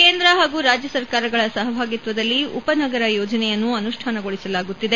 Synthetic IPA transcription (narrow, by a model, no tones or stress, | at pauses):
keːnd̪ɾɐɦaːɡuːɾaːd͡ʒjɐsɐɾkaːɾɐɡɐɭɐsɐɦɐbʱaːɡit̪ʋɐd̪ɐlːiṵpɐnɐɡɐɾɐjɔːd͡ʒɐnɛjɐnːuɐnuʂʈʰaːnɐɡoɭisɐlaːɡut̪ːid̪e̞